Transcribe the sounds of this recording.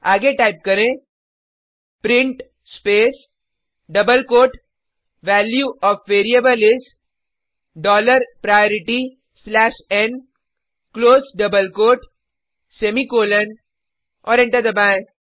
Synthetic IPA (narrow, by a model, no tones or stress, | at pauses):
aːɡeʈaɪp̚kɐɾẽ | pɾɪ̃ɳʈ | speːs | ɖɐbəlkoːʈ | ʋɛːljuɔːfʋeːɾiebəlɪs | ɖɔːləɾpɾajɔːɾɪʈi | slɛːʃɛn | kloːzɖɐbəlkoːʈ | semikoːlən | ɔːɾɪ̃ɳʈəɾd̪ɐbãːẽ